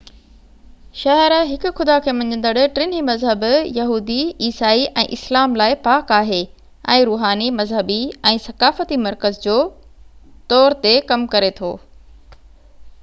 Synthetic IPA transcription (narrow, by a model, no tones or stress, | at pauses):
ʃɐɦəɾɦɪkʊ̆xʊd̪akʰeːmɐ̃ɲə̃nd̪əɽʊ̆ʈɾɪnimɐzɦəbjɐɦuːd̪iiːsaːiʔɛ̰̃ːʔɪslaːmlaːɪpaːkaːɦe | ɛ̃ːɾuːɦaːnimɐzɦəbiɛ̃ːsɐkaːfət̪imɐɾkəzd͡ʑoː | t̪ɔːɾt̪ekɐmkɐɾet̪ʰo̰ː